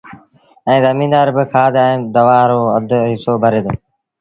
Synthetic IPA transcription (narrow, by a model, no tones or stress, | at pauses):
ɛ̃ːzəmĩːnd̪aːɾbɪkʰaːd̪ɛ̃ːd̪əʋaːɾoːəd̪ʱɦɪsoːbʱəɾeːd̪o̰ː